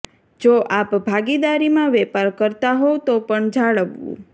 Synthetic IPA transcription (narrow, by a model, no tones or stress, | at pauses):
d͡ʒoʔapbʱaɡid̪aɾimãʋɛpaɾkəɾt̪aɦot̪opəɳd͡ʒaɭəʋṵ̃